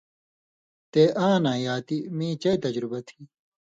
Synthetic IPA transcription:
t̪eːʔãːnãːjaːt̪imĩːt͡ɕɐjt̪ɐd͡ʑɾubɐt̪ʰiː

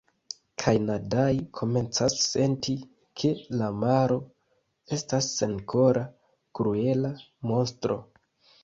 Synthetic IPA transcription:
kʰajnadajikʰo̞me̞nt͡sasːe̞ntʰi | kʰe̞lamaɾo̞ | e̞stasːe̞nkʰo̞ɾʔa | kɾue̞la | mo̞nstɾo̞̰

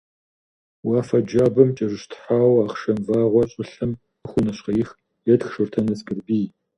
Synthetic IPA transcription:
wɑːfɐd͡ʒaːbɐmt͡ʃʼɐʒʷɪɕtʰħaːwaːχʃɐmvaːʁʷɔɕʼɪɬɨm | xʷʊnɐɕqɐjɪx | jɛdxʃɨrtʰɐnɐskʼɨrbiː

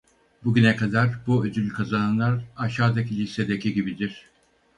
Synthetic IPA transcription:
buɟʲynɛkʰad̪aɾbuøzylʲykʰazananlˠaɾaʃaːd̪acʰilʲised̪ecʰiɟibid̪iɾ̥

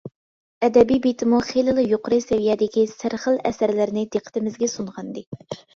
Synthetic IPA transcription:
ɛd̪ɛbijbit̪ʰɪmuχelɨlˠɨjoqʊɾɨsɛvijɛd̪ɪkʲisɪɾχəlˠɛ̰sæɾlɪɾnɪd̪eqʰːə̥t̪ɪmɪzɡʲɛsuɴʁɑnd̪ɨ

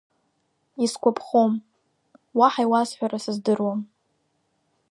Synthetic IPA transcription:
iskʷʰapʰχom | waħaijwasħʷᶣaɾasɨzdɨrwam

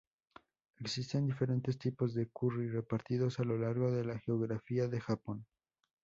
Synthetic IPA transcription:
e̞ksist̪e̞nd̪ife̞ɾe̞nt̪e̞st̪ipo̞zðe̞kurire̞paɾt̪iðo̞salo̞laɾɣo̞ðe̞laxeoɣɾafiaðe̞xapo̞n

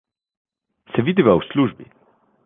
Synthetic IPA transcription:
sɛvid̪ivawsluʒbḭ

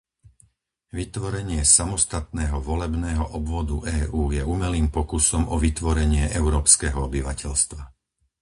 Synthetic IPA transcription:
ʋit̪ʋɔɾɛɲɪɛsamɔst̪at̪nɛːɦɔʋɔlɛbnɛːɦɔʔɔbʋɔd̪ṵʔɛːʔuːjɛuːmɛliːmpɔkusɔmʔɔʋit̪ʋɔɾɛɲɪɛʔɛʊɾɔːpskɛːɦɔɔbiʋacɛʎst̪ʋa

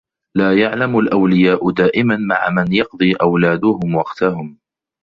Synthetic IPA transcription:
laːjaʕlamʊlʔawlɪjaːʔʊd̪aːʔɪmanmaʕamanjɑqd̪ˤiːʔawlaːd̪ʊɦʊmwɑqt̪ahʊm

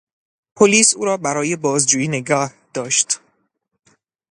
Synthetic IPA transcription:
pʰoliːsuːɾɒːbæɾɒːje̞bɒːzd͡ʒuːjiːne̞ɡɒːhd̪̥ɒːʃt̪

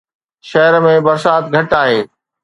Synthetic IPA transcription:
ʃɐɦəɾmẽbɐɾsaːt̪ɡʱɐʈaːɦeː

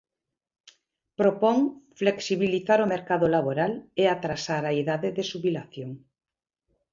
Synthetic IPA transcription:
pɾopoŋfleksiβiliθaɾomeɾkaðolaβoɾaleat̪ɾasaɾaiðaðeðeʃuβilaθjoŋ

